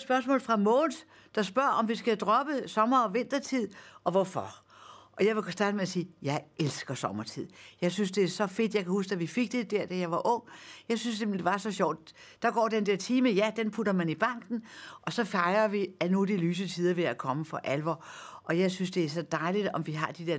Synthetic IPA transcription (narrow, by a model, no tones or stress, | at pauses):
sb̥ɶɐsmɔ̰ːlfʁɑ̈mɔːns | d̥ɑ̈sb̥ɶɐ̰ʔɒ̽mʋisɡ̥æd̥ʁɒ̽b̥əsɒ̽mɐːʋe̝n̰d̥ɐt͡sʰið̰ˠʔɒ̽ʋɒfɒ | ʔɒ̽jɑ̈ɪʋe̝sd̥ɑ̈ːdəmeæsiːjɑ̈ɪelsɡ̥ɐsɒ̽mɐt͡sʰið̰ˠjɑ̈ɪsynsd̥e̝æɐsɒ̽fe̝d̥jɑ̈ɪkʰæhus̬ɡ̥æʋife̝ɡ̥̚d̥e̝d̥æɐ̰d̥æjɑ̈ɪʋɑ̈ʔɔ̽ŋ̰jɑ̈ɪsynsd̥emd̥e̝ʋɑ̈sɒ̽ɕɒʊd̥ | d̥ɑ̈ɡ̥ɒ̰ːd̥end̥eɐ̰t͡sʰiːməjæd̥enpʰudɐmænib̥ɑ̈ŋ̰ɡ̥n̩ʔɒ̽sɒ̽fɑ̈ɪɐʋiænud̥ilyːs̬ət͡sʰiːðˠɐʋe̝ækʰɒ̽məfɒ̽ʔælʋɒʔɒ̽jɑ̈ɪsynsd̥e̝æɐs̬ɒ̽d̥ɑ̈ɪlid̥ɒ̽mʋiɦɑ̈d̥id̥eɐ̰